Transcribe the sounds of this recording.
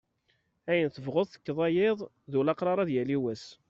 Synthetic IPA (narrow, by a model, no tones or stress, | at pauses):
æjənθəvʁoðˤθə̥kːðˤɑjeðˤ | ðulɑqɾˤɑɾˤɑðjæliwæs